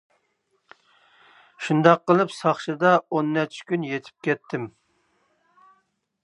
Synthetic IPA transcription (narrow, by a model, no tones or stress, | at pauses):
ʃund̪ɑqːəlˠɨpsɑχʃɨd̪ɑonːɛt͡ʃʰɪ̥kʲynjet̪ʰɪ̥p̚kʲʰɛt̪ʰːɪm